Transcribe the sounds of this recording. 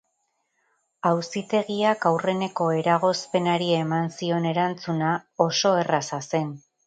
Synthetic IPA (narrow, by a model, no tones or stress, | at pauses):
awsit̪e̞ɣiakawre̞ne̞ko̞e̞ɾaɣ̞o̞spe̞naɾiemansio̞ne̞ɾant͡sunao̞so̞e̞rasase̞n